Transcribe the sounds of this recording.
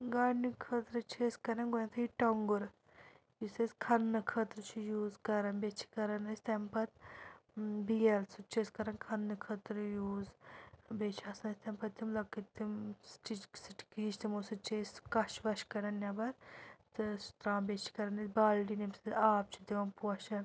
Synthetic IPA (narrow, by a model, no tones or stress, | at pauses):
ɡaːɽnikʰət̪ɾɨt͡ʃʰeːskɐɾɐnɡoɐnt̪ʰɐiʈɐŋɡuɾ | jiseskʰɐnːɨkʰɐt̪ɾɨt͡ʃʰijuːzkɐɾɐnbet͡ʃʰi̥kɐɾɐnɐsʲt̪ɐmpɐt̪ | bijɐlsut͡ʃʰeskɐɾɐnkʰɐnːɨkʰɐt̪ɾjuːzbet͡ʃʰɐsnɐsʲt̪ɐmpɐt̪imlɐkːit̪imsʈit͡ʃsiʈkɦit͡ʃʰt̪imosɨt͡ʃeːskɐʃʋɐʃkɐɾɐnjɐbɐɾt̪ɨst̪ɾaːmbʲet͡ʃʰi̥kɐɾɐnɐsʲbaːlɖinemseaːp̚t͡ʃʰid̪eʋɐmpwɐʃɐn